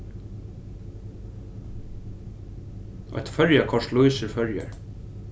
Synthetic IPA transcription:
ɔ̰t̪fœɹjakʰɔʂt̪lujsɪɾfœɹja̰ɹ

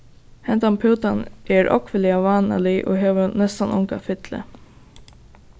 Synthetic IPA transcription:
hɛnt̪ampʰuːt̪anʔɛɹʔɔ̰kʋɪlɪaʋaːna̰lɪʔo̰ːɦeːʋənɛst̪anʊ̰ŋkafɪt̪lə̰

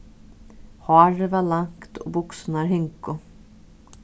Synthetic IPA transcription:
hwaɾvalaŋkt̪ʰɔ̰bʊksnaɾɦɪŋkʊ

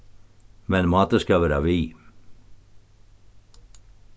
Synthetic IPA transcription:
mɛnmɑːt̪əskɑʋæːɾa̰ʋiː

